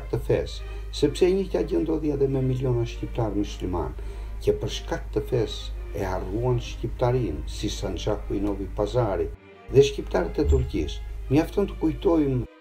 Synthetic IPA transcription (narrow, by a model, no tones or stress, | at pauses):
k̚t̪əfɛsː | ɛpsɛɲət̪aɟənd̪ɔðiaðɛmɛmiliɔnaʃcip̚t̪aɾmuslima̰n | cəpəɾʃkak̚t̪əfɛs | ɛaruanʃcip̚t̪aɾinsisant͡ʃakuinɔvipazaɾi | ðɛʃcipt̪aɾət̪ɛt̪uɾcḭsməjaft̪ɔnt̪ə̥kujt̪ɔjm